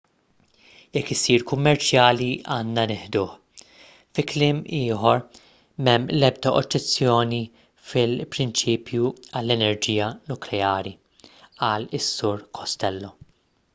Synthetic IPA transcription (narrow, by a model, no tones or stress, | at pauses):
jɛkːɪsːiːɾkʊmːɛɾt͡ʃjɐːliɐːnːɐnɪħd̪ʊːħ | fɪklɪːmiːħɔɾ | mɛmːlɛb̚d̪ɐʔɔ̰d͡ʒːɛt͡sːjɔːni | fɪlpɾɪnt͡ʃiːpʰjuɐlːɛnɛɾd͡ʒiːjɐnʊklɛɐːɾi | ɐːlɪsːʊɾkʰɔst̪ɛlːɔ